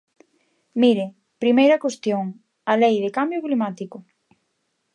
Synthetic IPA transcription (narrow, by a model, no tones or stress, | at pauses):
miɾe | pɾimejɾɐkwest̪joŋ | alejðekambjʊklimat̪ikʊ